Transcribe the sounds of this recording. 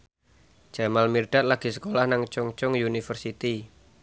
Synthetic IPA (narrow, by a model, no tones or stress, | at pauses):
d͡ʒ̥amalmirɖ̥at̪̚laɡ̥i̤sə̥kolahnaŋt͡ʃʊŋt͡ʃʊŋjunifərsit̪i